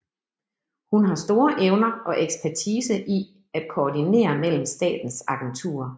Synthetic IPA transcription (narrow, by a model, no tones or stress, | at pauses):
hunɦɑ̈sd̥o̝ːɐʔeʊnɐɒ̽ʔeɡ̥spʰæɐt͡sʰiːsəʔi | æd̥̚kʰoːdine̝̰ːɐmel̰m̩sd̥ɛ̰ːd̥n̩sɑ̈ɡ̥ent͡sʰṵːɐ